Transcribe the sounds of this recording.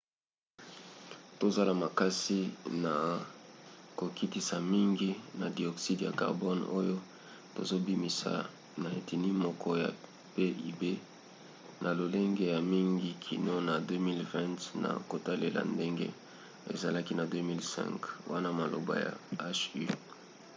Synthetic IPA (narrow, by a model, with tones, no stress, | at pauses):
to˨za˦la˨ma˨ka˦si˦na˨ | ko˨ki˦ti˦sa˨mi˦ŋɡi˦na˨di˨ɔ˨ksi˦dja̰˨ka̰˨ʁbɔ˦no˦jo˦ | to̰˨zo˦bi˦mi˨sa̰˨ | na˨e˨ti˨ni˦mɔ˦kʰɔ˦ja̰˨ | pe˦ʔi˨be˦ | nʔa˨lo˨le˦ŋɡe˦ja˨mi˦ŋɡi˦kʰi˨no˦na˨dø˦mi˦lvɛ̃˦ntna̰˨ko˨ta˦le˨la̰˨nde˦ŋɡḛ˦ | ḛ˨za˨la˦ki˦na˨dø˦mi˦lsɛ̰̃˦ŋkwa˦na˦ma˨lo̰˨ba̰˨ja̰˨a˦ʃy˦